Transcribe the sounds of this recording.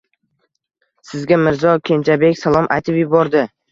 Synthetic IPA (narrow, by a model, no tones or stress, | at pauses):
sɪzɡʲamɪɾzɒkʲʰe̞nt͡ʃʰabe̞kʲsalˠɒmʔajt̪ʰɪpjɪbɒɾd̪ɪ